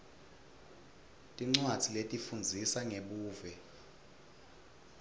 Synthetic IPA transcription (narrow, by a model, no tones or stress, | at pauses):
tʼiŋ͡ǀwad̥d͡z̥ʱiletʼifund͡zʱisaŋeɓuːvɛ